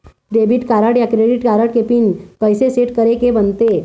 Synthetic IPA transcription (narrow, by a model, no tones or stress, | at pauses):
ɖebʱiʈkaɾəɽjakɾeɖiʈkaɾəʈ̚kepiːnkəjseseʈkəɾekebənt̪e